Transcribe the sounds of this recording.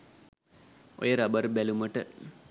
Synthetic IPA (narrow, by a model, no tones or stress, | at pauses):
o̰jəɾabɐɾbæluməʈə